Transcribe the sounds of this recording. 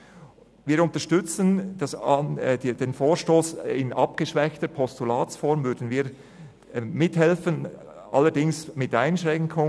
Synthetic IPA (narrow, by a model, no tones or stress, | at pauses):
viːɾʊntəʃtʏt͡sənd̥asɑd̥eːnfoːɾʃtoːsɪnʔɑpɡ̥əʃvɛçtəɾpʰɔstulaːt͡sfɔɾmvʏdn̩viːɾ | mɪthɛlfən | ʔɑ̰lːəɾdɪŋsmɪtaɪnʃʁɛŋkʰʊ